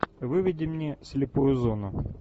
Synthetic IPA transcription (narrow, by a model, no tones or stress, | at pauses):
vɨvʲɪdʲɪmnʲesʲlʲɪpujʊzonʊ